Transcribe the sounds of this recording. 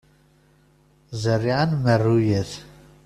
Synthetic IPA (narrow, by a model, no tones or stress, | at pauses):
zərːiʕanmərːujəθ